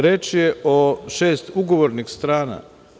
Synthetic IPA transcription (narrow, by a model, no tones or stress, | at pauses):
ɾet͡ʃjeoʃeːst̪uɡo̞ʋoɾnixst̪ɾaːna̰